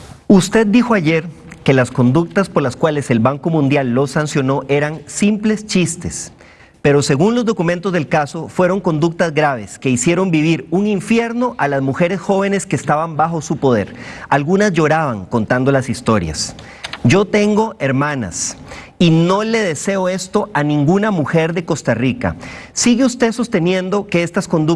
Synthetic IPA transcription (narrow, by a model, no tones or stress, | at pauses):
ust̪e̞d̪̚ːixo̞aʝe̞ɾ | ke̞lasko̞nd̪uk̚t̪aspo̞ɾlaskwale̞se̞lβaŋko̞mũnd̪jalːo̞sansjo̞no̞ʔe̞ɾaŋsimple̞st͡ʃist̪e̞s | pe̞ɾo̞se̞ɣunlo̞zd̪o̞kumẽnt̪o̞zðelkaso̞fwe̞ɾo̞ŋko̞nd̪uk̚t̪azɡɾaβ̞e̞ske̞isje̞ɾo̞mbiβ̞iɾuŋiɱfje̞ɾno̞ʔalazmuxe̞ɾesxo̞βe̞ne̞skeːst̪aβambaxo̞supo̞ðe̞̰ɾalɣunazʝo̞ɾaβaŋko̞nt̪and̪o̞lasist̪o̞ɾja̰s | d͡ʒo̞t̪e̞ŋɡo̞ʔe̞ɾmãna̰s | ino̞le̞ðe̞se̞oe̞st̪o̞anĩŋɡunamuxe̞ɾðe̞ko̞st̪arika̰siɣeust̪e̞ðso̞st̪e̞njẽ̞nd̪o̞ke̞est̪asko̞nd̪u